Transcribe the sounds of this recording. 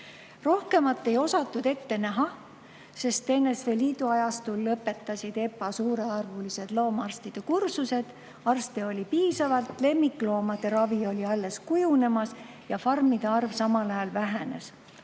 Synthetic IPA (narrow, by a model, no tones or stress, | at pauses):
ro̞hke̞mɑt̪ˑːe̞jo̞sɑt̪ːˑud̪̥e̞t̪ːe̞næɦɑ | se̞st̪ːe̞nːe̞sve̞liːd̪uɑjɑst̪ulːɤpːe̞t̪ːˑɑsʲid̪̥e̞pːɑsuːɾe̞ɑrvulise̞d̪̥lo̞ːmɑrst̪id̪̥ekursuse̞d̪̥ | ɑrst̪eo̞lʲipiːsɑvɑlt̪le̞mːikːˑlo̞ːmɑd̪̥eɾɑvio̞lʲiɑlːe̞skujune̞mɑs | jɑfɑrmid̪̥eɑrvsɑmɑlɑjɑlvæɦe̞ne̞̰s